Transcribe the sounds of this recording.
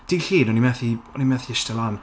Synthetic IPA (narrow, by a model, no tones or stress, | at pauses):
d̥iɬiːnɔnimɛθiɔnimɛθiɪstəlˠan